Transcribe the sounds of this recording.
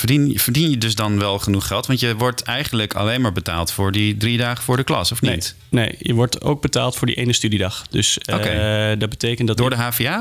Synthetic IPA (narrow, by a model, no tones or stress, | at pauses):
ədinvəɹdinjədɵzdɑnʋɛlˠχənuχχɛlˠtʋɑntjəʋɔɹtɛjχənələkʰɑ̰lejnmaːɹbəta̰ːlˠtfʊːɹdidridaːχəfʊːɹdəklɑ̰sɔfnet | nḛjjəʋɔɹto̰wɡ̚bəta̰ːlˠtfʊːɹdḭʔejnəstydidɑχdɵsokedɑd̚bətejkəntdtdːɹdəɦaːviaː